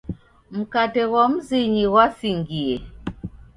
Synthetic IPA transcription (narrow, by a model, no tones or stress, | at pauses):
m̩katɛɣɔm̩ziɲiɣwasiŋɡie